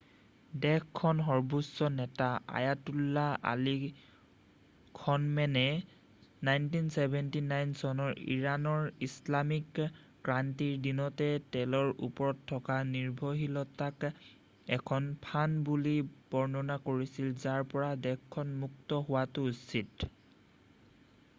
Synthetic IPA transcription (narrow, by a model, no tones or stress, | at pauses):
dɛkkʰːɔnɦɔɹbʱusːɔnɛtaa̰jatulːaʔa̰li | kʰɔnmɛnɛ | najntinsɛbʱɛntinajnsɔnɔɹḭɹanɔɹislamik | kɹantiɹdinɔtɛtɛlɔɹṵpɔɹɔtʰːɔkaniɹbʱoɦilɔtak | ɛkʰɔnpʰanbulib̥ɔɹnɔnakoɹisilzaɹpɔɹadɛkʰːɔnmuk̚tɔɦʊwatʊusit